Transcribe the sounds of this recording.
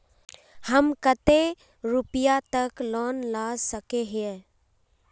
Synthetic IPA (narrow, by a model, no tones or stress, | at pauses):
həmkət̪e | ɾʊpɪjat̪əklɔːnlaːsəkeɦɛ̃